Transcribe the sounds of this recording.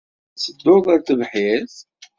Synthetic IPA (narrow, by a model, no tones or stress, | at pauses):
səd̪ːʊðˤæɾθəvħiθ